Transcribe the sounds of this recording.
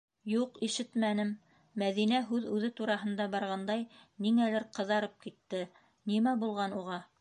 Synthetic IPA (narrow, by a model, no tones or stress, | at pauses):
juqiʃɘt̪mænɘmː | æðinæɦʉðʉðɘt̪uɾɑɦɤ̆nd̪ɑbɑɾʁɑnd̪ɑjniŋælɘɾqɤ̆ðɑɾɤp̚kit̪ːɘ | nimæbulˠʁɑnuʁɑ